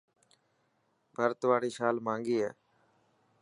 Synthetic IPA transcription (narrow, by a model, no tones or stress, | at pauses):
bʱəɾt̪ʋaːɽiːʃaːlmãːŋɡiːɦɛː